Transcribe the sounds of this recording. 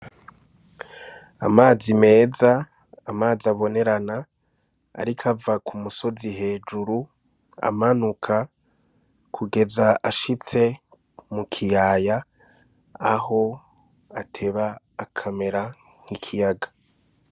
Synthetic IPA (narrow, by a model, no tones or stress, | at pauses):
a̰maːzime̞ːza | amaːziaβo̞ne̞ɾana | a̰ɾikʰavakʰumuso̞ziɦe̞ːd͡ʒuɾu | a̰manukʰa | kʰuɡe̞zaʔaʃit͡se̞ | mukʰijaja | aho̞ | atʰe̞βaː | kʰame̞ɾa | ŋ̥ikʰijaɡḁ